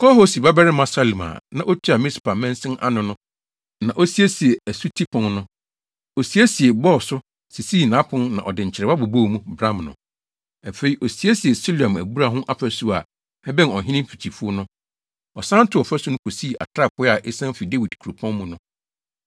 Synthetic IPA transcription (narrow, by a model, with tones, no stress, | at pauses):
kʰɔ˦ho˦si˨ba˦bɛ˦ɾɪ˦mã˦sa˦li˨mã̰ː˨nã˨ʔo˦t͡ɕʰᶣi˦a˨mɪ̃˦si˨pa˨mɛ̃˦nsɪ̃˦nʔa̰˦nʊ̃˨nʊ̃˦ | nã˨ʔo˦si˦e˦si˨e˨æ˨su˦tʰi˦pʰʊ̃˨nnʊ̃˦ | o˨si˦e˦si˨e˨bɔ˦˨sʊ˦ | si˨si˦˨nã˨˦pʰʊ̃˦nnã̰˨ʔɔ˨dɪ˨ɲ̩˨t͡ɕʰɪ˨ɾɛ˨ba˦bo˨bo˦˨mũ˦bɾã˦mnʊ̰̃˨ | ɛ˨fe˨i˨ʔo˨si˨˦e˦si˨e˨so˦lã˨mæ˨bu˦ɾa˦˨ɦʊ̃˦ʔa˦˨pæ˦su˦a̰˨ | ɛ˦bɛ̃˦n˨ɔ˨ɦɪ̃˦nɪ̃˦m̩˦fi˨t͡ɕʰi˨fu˦o˦nʊ̃˦ | ɔ˨sã˦n̩˦tʰɪ˦˨ɔ˨fɛ˦su˦nʊ̃˦kʰo˨siː˦˨ʔa̰˨tʰɾa˦˨pʰʊ˦a˨ʔe˦sã˦fi˨de˦wi˨dkʰu˨ɾo˨pʰɔ̃˦nmũ˨nʊ̃˦